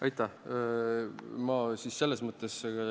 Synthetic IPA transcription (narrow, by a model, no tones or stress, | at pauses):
ʔɑjt̪ːˑɑh | mɑsisse̞lːesmɤt̪ːˑesɑ